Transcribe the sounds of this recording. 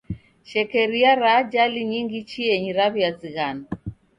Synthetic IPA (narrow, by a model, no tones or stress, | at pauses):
ʃɛkɛɾiaɾaːd͡ʒaliɲiŋɡit͡ʃiɛɲiɾaβiaziɣana